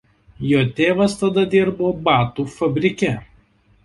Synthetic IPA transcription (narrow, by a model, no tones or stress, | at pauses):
joːt̪ʲeːʋɐst̪ɐd̪ɐd̪ʲɪɾboːbɑːt̪uːfɐbʲɾʲɪkʲɛ